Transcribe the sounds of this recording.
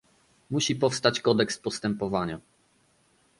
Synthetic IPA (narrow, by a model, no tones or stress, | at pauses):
muɕipɔfst̪at͡ɕkɔd̪ɛkspɔst̪ɛmpɔvaɲa